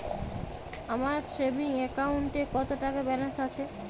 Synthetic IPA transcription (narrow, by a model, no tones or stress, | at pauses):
amaɾʃebiŋɛkawɳʈekɔt̪oʈakabɛlesat͡ɕʰe